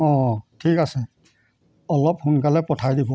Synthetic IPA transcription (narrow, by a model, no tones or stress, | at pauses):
ɔ̃tʰikasɛ | ɔlɔp̚hunkalɛpɔtʰajdibɔ